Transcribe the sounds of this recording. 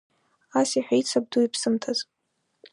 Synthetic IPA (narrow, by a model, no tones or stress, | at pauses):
asiħʷᶣait͡sʰab̚duipʰsɨmtʰaz